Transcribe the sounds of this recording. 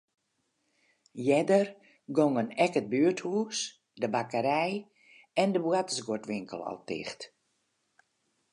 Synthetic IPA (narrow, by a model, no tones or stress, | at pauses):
jɛdər | ɡoŋənɛkəd̚byːəthuːs | dəbakəɾɛj | ɛndəbwatəsɡotʋɪŋkəlˠɔ̰lˠtɪ̰xt